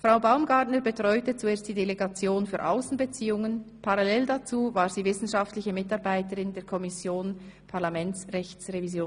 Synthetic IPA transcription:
fʁaʊbaʊmɡaːʁdnəɾbətʁ̥ɔʏtət͡sueːɐst̚d̥iːdeleɡat͡sjoːnfyːɐʔa̰ʊsn̩bət͡siːʊŋənpʰaʁalɛldat͡suːvaːɾz̥iːvɪsn̩ʃaftlɪçəmɪtɑʁbaɪtəʁɪndeːɐkʰɔmɪsjoːnpʰaʁlamɛnt͡sʁɛçt͡sʁevizjoːn

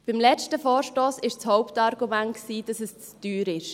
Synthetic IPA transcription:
b̥ɪmlɛt͡ʃtəfɔːɾʃtoːsɪʃt͡shɔʊptɑɾɡ̥umæntksiːd̥ɑsəst͡sd̥yːɾɪʃ

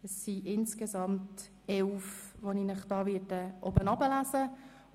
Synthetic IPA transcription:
ɛsːiʔɪnskezɑmt | ɛlfʋoniːnɪχd̥ɑːvɪːdəʔobənɑbəlaːzə

